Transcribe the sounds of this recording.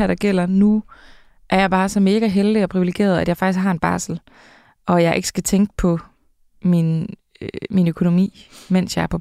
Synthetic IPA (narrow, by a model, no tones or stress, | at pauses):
æɐ̰d̥ɑ̈ɡ̥el̰ɐnu | ʔæɐjɑ̈ɪb̥ɑ̈ːsɒ̽me̝ːɡ̥æɦeld̥iɒ̽pʰʁiʋileɡ̥e̝̰ːɐð̞ˠæd̥jɑ̈ɪfɑɡ̥isɡhɑ̈e̝nb̥ɑ̰̈ːsl̩ | ʔɒ̽jɑ̈ɪʔe̝ɡ̥ə̥sɡ̥æt͡sʰeŋɡ̥əpʰɒ̽ | min | minøkʰo̝no̝mḭːmen̰sjɑ̈ɪɐpʰɒ̽